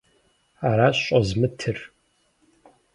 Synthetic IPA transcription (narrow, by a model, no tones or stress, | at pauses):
aɾaːɕɕʼɐzmɨtʰɨr